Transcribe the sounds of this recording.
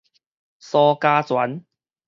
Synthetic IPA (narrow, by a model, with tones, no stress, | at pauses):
sɔː˧kaː˦˧t͡swa̰˨˦n